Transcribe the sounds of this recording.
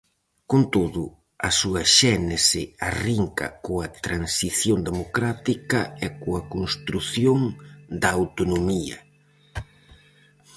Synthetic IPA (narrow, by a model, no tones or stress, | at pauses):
kont̪oðʊ | ɐsuɐʃɛnesɪariŋkɐ̰koɐt̪ɾansiθjond̪emokɾat̪ikɐɛkoɐkonst̪ɾuθjoŋd̪ɐːwt̪onomiɐ̰